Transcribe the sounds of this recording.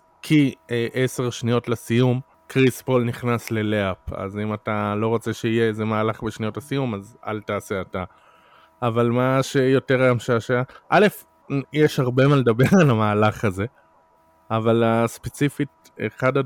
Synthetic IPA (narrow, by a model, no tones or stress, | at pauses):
kʰieʔese̞ʁʃnijo̞tlasijum | kʁispo̞lniχnasle̞leapa̰zimatalo̞ʁo̞t͡se̞ʃeijeezemaːlaχbeʃnijo̞tlasijumaza̰ltaːse̞ata | avalmaʃe̞jo̞teʁaamʃaaʃaaʔale̞f | jeʃhaʁbe̞maledabe̞ʁalamaːlaχaze̞ | avalaspe̞t͡sifit̚ | ḛχada